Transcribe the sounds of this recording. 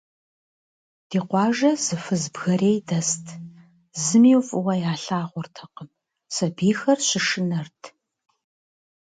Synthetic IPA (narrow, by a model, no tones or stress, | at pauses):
d̥iːqʷɑːʒɐz̥ɨfɨzbɣɐreːjdɐstʰ | zɨmiːwfʼɨwɐjaːɬaːʁʷʊrtʰɐqəm | sɐbiːxɐrɕɪʂɨnɐrtʰ